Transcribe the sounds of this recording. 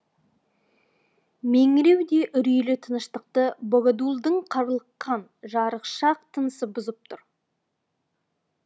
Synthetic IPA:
meŋɪɾe̞wd̪e̞ʔʏɾijlɪt̪ʰənəʃt̪əq̚t̪əboɡad̪ulˠd̪əɴqʰɑɾlˠəqːɑnʒɑɾəqʃɑq̚t̪ʰənəsəbʊzəp̚t̪ʰʊɾ

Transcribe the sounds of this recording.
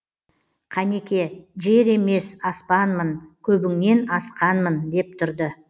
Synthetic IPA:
qʰɑne̞kʲe̞ʒe̞ɾe̞me̞sɑspɑnmənkʲʰɵbɪŋne̞nɑsqɑnmənd̪e̞p̚t̪ʰʏɾd̪ə

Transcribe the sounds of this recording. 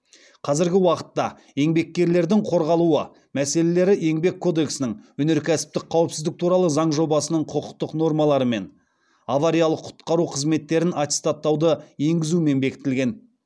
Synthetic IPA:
qʰɑzɪɾɡʲɪwɑqə̥t̪ːɑ | e̞ŋbe̞kʲːe̞ɾle̞ɾd̪ɪŋqʰo̞ɾʁɑlˠuə | mæse̞le̞le̞ɾɪʔe̞ŋbe̞kʰːo̞d̪e̞ksənɪŋɵne̞ɾkʲʰæsɪ̥p̚t̪ɪk̚qʰːɑwəpsɪzd̪ɪk̚t̪ʰuɾɑlˠəzɑɴʒo̞bɑsənəɴqʰʊqʊq̚t̪əqno̞rmɑlˠɑɾəme̞n | ɑvɑɾijalˠəqʰːʊ̥t̪qɑɾuqʰəzme̞t̪ːe̞ɾɪnat̪ʲe̥st̪at̪ːɑwd̪əje̞ŋɡʲɪzume̞nbe̞kʲɪ̥t̪ɪlɡʲe̞n

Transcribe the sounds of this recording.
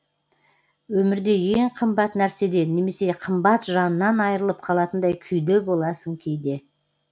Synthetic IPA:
wɵmɪɾd̪e̞jee̞ɴqʰəmbɑt̪næɾse̞d̪e̞nːe̞me̞se̞qʰəmbɑt̪ʒɑnənːɑnɑjɾəlˠəp̚qʰɑlˠɑt̪ənd̪ɑjkʲʰʏjd̪e̞bo̞lˠɑsəŋkʲʰejd̪e̞

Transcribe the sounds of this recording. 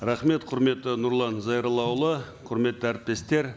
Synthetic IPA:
ɾɑχme̞t̪qʰʊɾme̞t̪ːɪnʊɾlˠɑnzɑjɾlˠɑwlˠə | qʰʊɾme̞t̪ːɪæɾɪt̪̚pe̞st̪e̞ɾ

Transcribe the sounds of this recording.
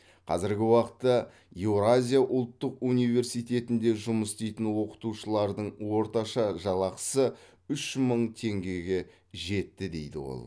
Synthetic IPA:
qʰɑ̰zɪɾɡʲɪwɑqət̪ːɑ | jewɾazʲijaʔʊlˠt̪ːəqunijve̞ɾsijt̪e̞t̪ɪnd̪e̞ʒʊməst̪ejt̪ɪnwo̞qə̥t̪uʃəlˠɑɾd̪əɴwo̞ɾt̪ɑʃɑʒɑlˠɑqə̥sə | ʏʃməɴt̪ʰe̞ŋɡʲe̞ɡʲe̞ | ʒe̞t̪ːɪd̪e̞jd̪ɪ̰wo̰lˠ

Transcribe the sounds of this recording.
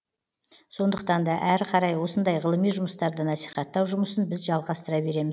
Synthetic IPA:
so̞nd̪əq̚t̪ɑnd̪ɑʔæɾqʰɑɾɑjwo̞sənd̪ɑjʁəlˠəmijʒʊməst̪ɑɾd̪ənɑsi̥χɑt̪ːɑwʒʊməsənbɪzʒɑlˠʁɑst̪əɾɑbe̞ɾe̞mɪz

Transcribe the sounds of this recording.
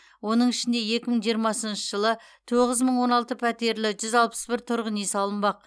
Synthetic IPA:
wo̞nəɴɪʃɪnd̪e̞je̞kʲɪməɴʒijəɾmɑsənʃəʒəlˠət̪ʰoʁəzməɴwo̞nɑlˠt̪əpʰæt̪e̞ɾlɪʒʏzɑlˠpə̥sbɪɾt̪ʰʊɾʁənesɑlˠənbɑq̚

